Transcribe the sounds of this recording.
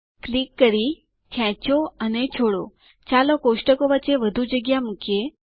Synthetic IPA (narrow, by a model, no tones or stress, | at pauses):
klikːəɾi | kʰɛ̃t͡ʃoənet͡ʃʰoɽo̰ | t͡ʃalokoʃʈəkoʋətːt͡ʃːeʋəd̪ʱud͡ʒəɡjamukje